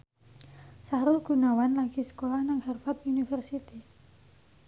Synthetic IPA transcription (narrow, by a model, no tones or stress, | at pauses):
saɾʊlɡ̥ṳnawanlaɡ̥i̤sə̥kolahnaŋhɛrfat̪unifɛrsit̪i